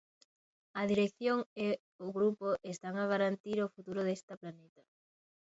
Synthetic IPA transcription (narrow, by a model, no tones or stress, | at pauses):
ɐðiɾekθjoŋe | oɣɾupoʔest̪aŋaɣaɾant̪iɾofut̪uɾoðest̪ɐplanet̪ɐ